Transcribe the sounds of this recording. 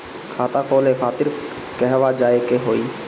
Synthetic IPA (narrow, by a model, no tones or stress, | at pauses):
kʰaːt̪aːkʰoːlekʰaːt̪ɪɾ | kɛɦʋaːd͡ʒaːekeɦoːiː